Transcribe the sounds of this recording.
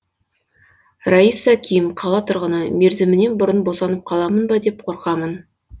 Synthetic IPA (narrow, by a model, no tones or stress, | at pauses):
raisːakʲijɪmqʰɑlˠɑt̪ʰʊɾʁənəme̞ɾzɪmɪne̞nbʊɾənbo̞sɑnəp̚qʰɑlˠɑmənbɑd̪e̞p̚qʰo̞ɾqɑmən